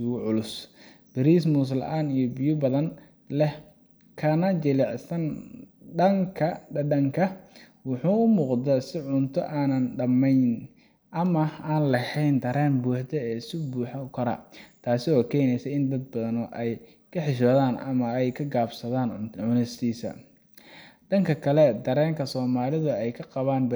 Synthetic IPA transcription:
uɣʕʊlʊs | b̥ɪɾiːs̬mʊs̬lɐ̰ʔaːnijɔbɪjʊbɐðɐn | lɛh | kʰɐnɐt͡ʃɪlɛʕsɐnɖɐŋkʰɐɖɐɖɐŋkʰɐ | wʊħuːʊmuːqd̪ɐsɪʕʊnt̪ʰɔʔaːnɐnɖɐmɛjn | ʔɐmɐaːnlɐhɛjnd̪ɐɾɛːnbuːħd̪ɛɛːɪsʊbuːħɐkʰɐɾɐ̰t̪ʰaːsɪɔːkʰɛːjnɛjsɛjɪnd̪ɐd̪̚bɐðɐnɔʔɛj | kʰɐħɪʃ̬ɔːðaːnɐ̰mɐɛjkʰɐɡaːbsɐðaːnʕʕʊnɪst̪ʰiːsɐ̰ | ɖɐŋkʰɐkʰɐlɛd̪ɐɾɛːŋkʰɐsɔːmaːlɪðʊɛjkʰɐqɑβaːnbɐ

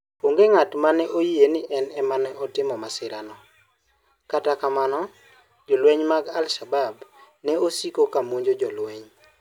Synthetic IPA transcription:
poŋɡeŋatmanɛʔojienɪʔɛnɛmanɛʔɔtɪmɔmasɪɾanɔ | katakamanɔ | d͡ʒɔlweɲmaɡalʃabab | nɛosikokamoɲd͡ʒod͡ʒɔlweɲ

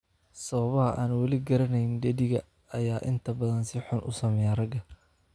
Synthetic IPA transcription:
sɐβɐβɐɦɐʔaːnwɑlɪɡɐɾɐnɛjɪnɖɛðɪɣɐ̰ | ɐjaːʔɪnt̪ʰɐbɐðɐnsɪħʊnʔʊ̰sɐmɛjaːrɐɡɐ

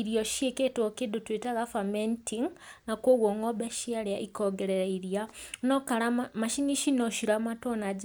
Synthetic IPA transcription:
iɾjoʃʃjeketokedutwetaɣafamentʰiŋnakoɣwoŋobeʃjaljaʔikoɡeɾeɾaiɾjanokalamaʃiniʃinoʃiɾamatonad͡ʒ

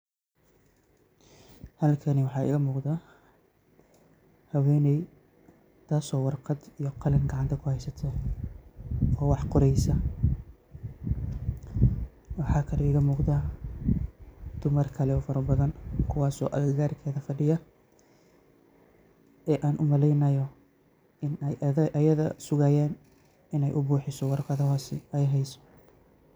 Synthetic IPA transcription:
hɐlkʰɐniwɑħɑːɪ̰ɣɐmuːqd̪aː | hɐwɛːnɛj | t̪ʰaːsɔːwɑrqɑd̪ijɔqɑlɪŋɡɑʕɑnt̪ʰɐkʰʊhɛjsɐt̪ʰɔ | ɔːwɑħqʊɾɛjsɐ | wɑħɑːkʰɐlɛɪːɣɐmuːqd̪aː | d̪̥ʊmɐrkʰɐlɛɔːfɐɾɐbɐðɐnkʰʊwɑːsɔ̰ːʔɐɣɐɣaːrkʰɛːðɐfɐɖɪjɐ | ʔɛːʔaːnʔʊmɐlɛjnɐjɔ | ɪnɛjʔjɐðɐ̰sʊɣɐːjɛːn | ɪnɛjʔʊbuːħɪsɔwɑrqɑðɔɦɔsɪɛjɦɛjsɔ̥

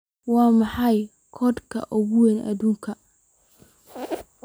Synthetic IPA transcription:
wɑːmɑħɑj | kʰɔd̪kʰɐ̰ʔʊɣʊwɛnɐ̰ðuːŋkʰɐ

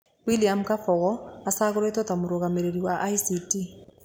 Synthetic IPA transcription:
wiliamkafɔɣɔasaɣoɾetɔtamoɾoɣameɾeɾiwaʔaisiti

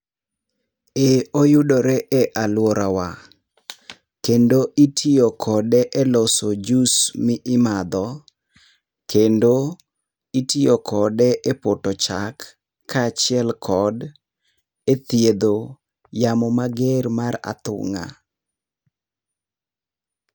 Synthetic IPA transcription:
eojʊdoɾɛʔɛʔalwɔɾawa | kendoʔitʰiokʰɔdɛʔɛlɔsod͡ʒusmɪʔɪmad̪ɔ | kendo | itiokʰɔdɛʔepotɔt͡ʃakʰː | at͡ʃɪɛlkʰɔd | et̪jed̪o | jamɔmaɡermaɾa̰t̪ʊ̰ŋa̰

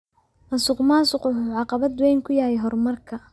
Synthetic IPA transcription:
nɐsʊqmaːsʊqʊʊʕɑqɑβɐd̪wɛjŋkʰʊjaːhɛjɦɔrmɐrkʰɐ

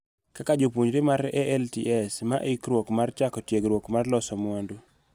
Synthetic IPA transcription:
kakad͡ʒopwuɲɾɪmaɾɛʔɛltiʔɛsmaʔɪkɾwokmart͡ʃakɔtjeɡɾwokmarlɔsɔmwondu

